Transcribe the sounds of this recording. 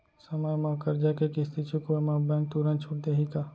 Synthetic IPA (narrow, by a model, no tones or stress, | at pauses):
səmajmãkəɾd͡ʒakekist̪ʰit͡ʃʰukomãbɛ̃ːŋk̚t̪uɾənt͡ʃʰuʈ̚d̪eɦika